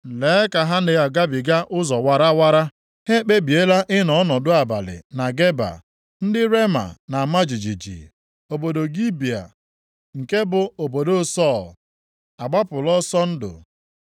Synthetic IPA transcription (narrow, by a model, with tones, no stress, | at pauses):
le˨˦ka˨ɦa˦nɪ˨ja˨ɡa˦bi˨ɡa˦ʔʊ˦zɔ˨wa˨ɾa˦wa˦ɾa˦ | he˦k͡pe˦bi˨e˦la˦ʔɪ˦nɔ˨˦nɔ˨dʊ˦a˨ba̰˨lɪ̰˨na˨ɡe˦ba̰˨ | n̩˦dɪ˦ɾe˦ma̰˨na˨ma˦d͡ʒi˨d͡ʒi˨d͡ʒḭ˨ | o˨bo˨do˨ɡi˦bi˨a̰˨ | ŋ̩˨ke˦bʊ˨o˨bo˨do˦˨sɔ˦˨l | a˨ɡ͡ba˦pʊ˨lɔ˦sɔ˦n̩˦dʊ̰˨